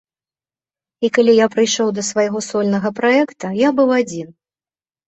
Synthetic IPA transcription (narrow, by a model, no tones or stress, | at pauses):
ikalʲijapɾɨjʂɔwd̪ɐsvajɣɔsɔlʲnɐɣɐpɾaɛkt̪ɐjabɨwad͡zʲin